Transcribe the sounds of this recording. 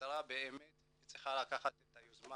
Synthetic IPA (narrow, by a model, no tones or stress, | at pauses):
ɾabɛɛmɛt | it͡sʼi̥χaɾakʰaχatʼɛtʼajuzma